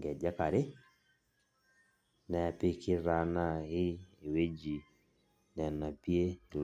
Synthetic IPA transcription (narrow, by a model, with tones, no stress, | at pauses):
ɡɛ˨d͡ʒa˦ka˨ɾɪ˦ | nɛ˨pɪ˦kɪ˦ɾa˨˦na˦˨ɪː˦˨we˦d͡ʒi˨ | nɛ˨na˨pi˦e˦˨l